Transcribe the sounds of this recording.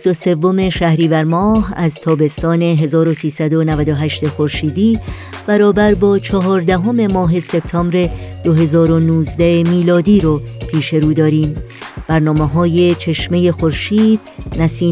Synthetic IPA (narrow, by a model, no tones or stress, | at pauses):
st̪o̞se̞vːo̞me̞ʃæhɾiːvæɾmɒːhæzt̪ʰɒːbe̞st̪ɒːne̞ɦe̞zɒːɾo̞siːsæd̪o̞nævæd̪o̞ɦæʃt̪e̞xo̞ɾʃiːd̪iː | b̥æɾɒːbæɾbɒːt͡ʃʰɒɦɒːɾd̪æɦo̞me̞mɒːɦe̞se̞b̥̚t̪ʰɒːmbɾe̞d̪̥oɦe̞zɒːɾo̞nuːzd̪æemiːlɒːd̪iːɾopʰiːʃe̞ɾuːd̪ɒːɾiːmb̥æɾnɒːmeɦɒːje̞t͡ʃʰe̞ʃme̞je̞xo̞ɾʃiːd̪̚næsiː